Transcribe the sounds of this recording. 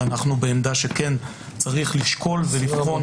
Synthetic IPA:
anaχnubeːmd̪aʃe̞ken | t͡saʁiχliʃko̞lvelifχo̞

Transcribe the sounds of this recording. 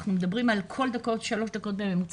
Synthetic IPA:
χnumed̪abʁimalkʰo̞ld̪ako̞t̪ʃalo̞ʃd̪ako̞t̪̚bevemut͡s

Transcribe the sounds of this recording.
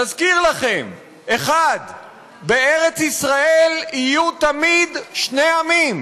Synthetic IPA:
tazkiʁlaχe̞m | eχad̪ | beeʁet͡sisʁae̞lijut̪amid̪ʃne̞jamim

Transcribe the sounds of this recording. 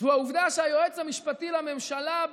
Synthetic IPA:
uauvd̪aʃeajoet͡shamiʃpat̪ilame̞mʃala

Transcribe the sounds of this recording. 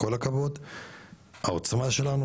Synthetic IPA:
ko̞lakavo̞d̪ | haot͡smaʃe̞lanu

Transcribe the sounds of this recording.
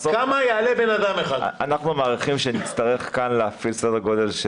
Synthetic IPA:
kamajealebenad̪ameχad̪anaχnumaːʁiχimʃenit͡st̪aʁeχkanleafilsod̪aɡo̞d̪e̞lʃ

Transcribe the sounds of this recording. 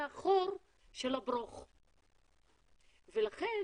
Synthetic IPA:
aχoɾ | ʃelabɾoχ | velaχe

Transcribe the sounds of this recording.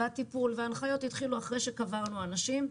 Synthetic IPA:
atipulveanχajo̞tit̪χiluaχʁejʃekavaʁnuanaʃim

